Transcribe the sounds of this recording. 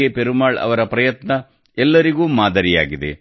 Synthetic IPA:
epeɾumaːɭɐ̰ʋɐɾɐpɾɐjɐt̪nɐ | ɛlːɐɾiɡuːmaːd̪ɐɾija̰ːɡid̪ḛ

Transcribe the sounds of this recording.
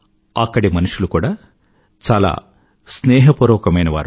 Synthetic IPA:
ɐkːɐɽimɐnuʂulukuːɽaː | t͡ʃaːla̰ː | snɛːɦɐpuɾɔːkɐmɐjnɐʋa̰ːɾ

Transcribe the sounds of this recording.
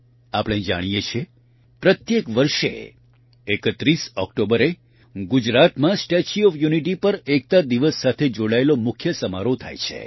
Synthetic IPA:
apɽ̃ed͡ʒa̰ɽ̃ijet͡ʃʰe | pɾət̪jekʋəɾʃḛ | ekət̪ɾisɔkʈobəɾe | ɡud͡ʒɾat̪mãsʈet͡ʃiɔfjuniʈipəɾek̚t̪ad̪iʋəsːat̪ʰed͡ʒoɽaelomʊkʰjəsəmaɾot̪ʰa̰jt͡ʃʰḛ

